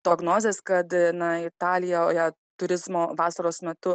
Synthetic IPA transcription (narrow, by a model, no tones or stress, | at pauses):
t̪oɡnoːzʲeːskɐt̪nɐɪt̪ɑːlʲɪjɛoːjɛ | t̪ʊɾʲɪzmoːʋɑːsɐɾoːsmʲɛt̪ʊ